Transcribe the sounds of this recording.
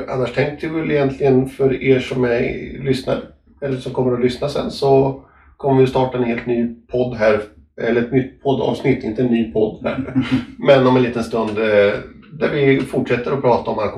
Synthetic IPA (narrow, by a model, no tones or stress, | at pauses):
ʔa̰nːaʂt̪ʰɛŋkt̪ɪvɛlɪjɛnt̪ʰlɪɡənfœɾeːʂɔmɛjlʏsna̰ɾ | ɛlːəʂɔmkʰɔmːəɾɔlʏsnasɛ̰nsɔ | kʰɔmːəvɪjst̪ɑːʈaɛnheːlt̪nyːpʰɔd̪ːɦæɾ | ɛlːəɾɛt̪̚nʏt̪ːpʰɔd̪ːɑ̰ːvsnɪt̪ʰːɪnt̪əɛnːyːpʰɔd̪ːhæ̰ːɾmɛnːɔmɛnliːt̪ənst̪ɵnd̪ | d̪æɾvɪfʊʈʂɛt̪ːəɾɔpʰɾɑːt̪aɔma